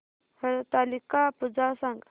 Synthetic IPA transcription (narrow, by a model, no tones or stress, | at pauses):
həɾt̪alikapud͡zasãŋɡ